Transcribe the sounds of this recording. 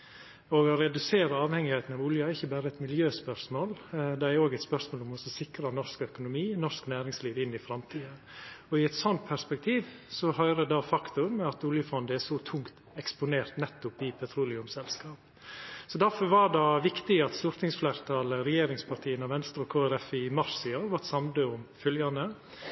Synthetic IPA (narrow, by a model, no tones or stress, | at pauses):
ɔɡɔɾɛd̪ʉseːɾəɑːʋhɛŋɪhɛɪt̪n̩ɑʋʊljəæɾɪçːəbæːɾəɛt̪mɪljøːspœɾʂmoːld̪ɛæɾoːɡɛɪt̪spœɾsmoːlɔmɔsɔsɪkɾɑnɔʂkœkʊnʊmiːnɔʂknæːɾɪŋsliːʋɪnːɪfɾɑmt̪ʰiːə | ɔɪɛt̪sɔnt̪̚pʰæɾspɛk̚t̪ʰiːʋsɔhœʏɾəd̪ɑfɑkt̪ʊɾmɛɑt̪uːljəfɑnd̪əɛsɔt̪ʰʊŋkt̪ | ɛkspʊneːɾt̪nɛt̪ːʊpɪpʰɛt̪ʰɾuːlɪʉmsɛlskɑːp | sɔd̪æɾfɔɾʋɑɖɑʋɪkt̪ɪɑt̪st̪uɾt̪ʰɪŋsflæɪɾt̪ʰɑːləɾɛjeːɾɪŋspʰɑɾʈ̪ʰiːənɑʋɛnst̪əɾɔkʰoːæɾɛfɪmɑɾsɪɑʋɑt̪sɑmd̪əʊmfœljɑnə